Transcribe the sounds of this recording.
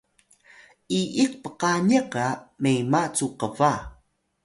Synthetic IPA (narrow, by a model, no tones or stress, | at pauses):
ʔiʔik̚pəqaɲəkamejmat͡suqəva